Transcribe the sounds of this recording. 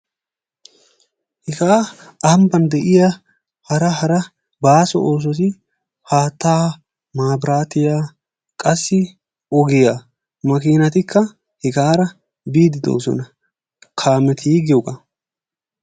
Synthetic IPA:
hɪkaː | ɐhɐmbɐnd̪ɛʔɪja | hɐɾɐɦɐɾɐ | baːsɔ̰ʔoːs̬ɔs̬ɪ | haːt̪ːaː | maːbɾaːt̪ɪjaː | kʼɐsːɪ | ɔɡɪja | mɐkiːnɐt̪ɪkʰːɐ | hɪkaːɾɐ | biːd̪ɪd̪o̰ːsɔ̰nɐ | kʰaːmɛt̪ʰiːɡɪjɔkʼɐ

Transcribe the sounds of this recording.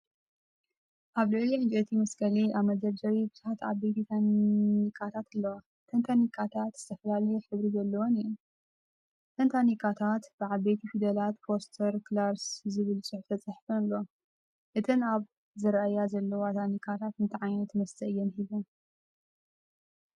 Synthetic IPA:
ʔaβlɨliʕɨnd͡ʒʼet̪ʰimɐskʰɐliʔaβmɐd̪ɐɾd͡ʒɐwibɨz̥uħat̪a̰βbet̪ʰit̪ʰanikʰːat̪ʰat̪ɨlːɐwa | t̪ʰɐnt̪ʰanikʰːat̪ʰat̪z̥ɨt̪ʰɐfɐlalɐjoħɨβɾizɐlːɐwonijum | t̪ʰɐnt̪ʰanikʰat̪ʰat̪b̥ɨʕaβbet̪ʰifid̪ɐlat̪pʰost̪ʰɐɾklaɾszɨβɨlsʼɨħft̪ʰɐt͡sʼɐħfɐnɨlːo | ʔɨt̪ʰɨnaβ | zɐɾɐʔajazɐlːɐwat̪ʰanikʰːat̪ʰat̪ɨnt̪ʰɨʕajnɐt̪ʰmɐst̪ʰɐjːɛnhiβon

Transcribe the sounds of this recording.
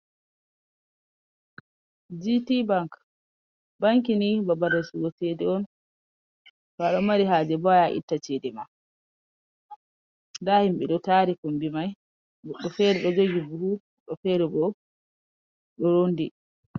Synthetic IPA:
d͡ʒitibaŋk | baŋkinibabaɾːɛsuwɔtedɛɔn | faɗɔmaɾiɦaːd͡ʒɛbajaʔḭtːat͡ʃɛdɛma | ndahimɓɛɗɔtaɾikumbimaj | ɡɔɗːɔfɛɾɛɗɔd͡ʒoɡibuhu | ɗɔfɛɾɛbɔ | ɗɔɾondi

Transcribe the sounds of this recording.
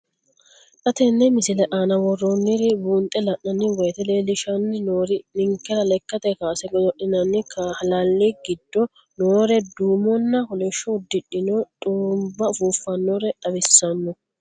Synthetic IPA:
ᶑɐt̪ɛnːɛmɪsɪlɛʔaːnɐwɔrːonːɪɾɪbuːnt̪ʼːɛlɐʔːɐnːɪwɔjt̪ɛleːlɪʃɐnːɪnoːɾɪnɪŋkːɛɾɐlɛkːɐt̪ɛkaːsɛɡɔdɔʔɪnɐnːɪkʰaːhɐlɐlːiɡɪd̪ːɔ | noːɾɛd̪uːmɔnːɐhɔlɛʃːɔʊd̪ːɪᶑɪnot̪ʼuːmbɐʊfuːfːɐnːoɾɛᶑɐbɪsːɐnːɔ

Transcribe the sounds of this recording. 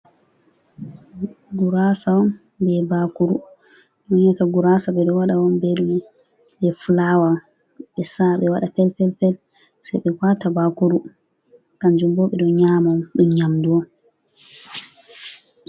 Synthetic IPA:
ɡuɾasawɔn | bɛbakuɾu | nɔɲataɡuɾasaɓɛɗɔwaɗawɔnbeɗumɛ | bɛfulawa | ɓɛsaɓɛwaɗapɛlpɛlpɛl | sɛjɓɛwatabakuɾu | kand͡ʒumbɔɓɛɗɔɲamaɗumɲamduɔ

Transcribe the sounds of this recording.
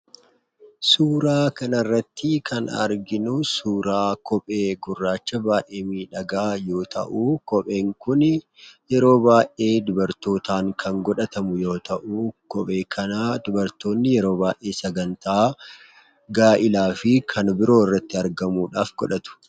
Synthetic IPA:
suːɾaːkɐnɐrːɐt̪ːɪkʰɐnɐ̰ɾɡɪnʊsuːɾaːkɔpʼe̞ːɡʊrːaːt͡ʃːɐbaːʔe̞ːmiːᶑɐɡaːjo̞ːt̪ʰɐ̰ʔuːkɔpʼe̞ːŋkʊn | jɛɾo̞ːbaːjʔe̞ːd̪ʊbɐɾt̪o̞ːt̪ʰaːŋkʰɐŋɡɔᶑɐt̪ɐmʊjo̞ːt̪ɐʔuːkɔpʼe̞ːkʰɐnaːd̪ʊbɐɾt̪o̞ːnːɪjɛɾo̞ːbaːjʔe̞ːsɐɡɐnt̪aː | ɡaːʔɪlaːfɪkʰɐnbɪɾo̞ːɪrːɐt̪ːɪɐɾɡɐmuːᶑaːfɡɔᶑɐt̪ʊ̥

